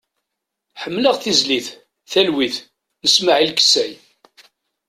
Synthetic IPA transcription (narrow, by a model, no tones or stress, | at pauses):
ħəmːləʁθizliθ | θælwiθ | nəsmaʕilkə̥sæj